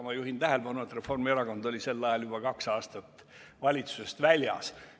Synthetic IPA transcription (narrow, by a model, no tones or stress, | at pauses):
mɑjuɦint̪æɦe̞lb̥ɑnuet̪re̞fo̞rmieɾɑɡ̥o̞nd̪̥o̞lʲise̞lːɑjɑljub̥ɑkɑksɑːst̪ɑt̪ː | vɑlʲit̪su̥se̞st̪vælʲjɑ̰s